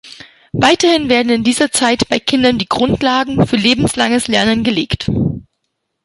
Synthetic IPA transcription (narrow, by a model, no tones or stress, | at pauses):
vaɪtɐhɪnveːɐdn̩ɪndiːzɐt͡saɪtb̥aɪkʰɪndɐndiːɡʁʊntlaːɡŋ̩fyːɐleːbm̩slaŋəslɛɐnənɡəleːkt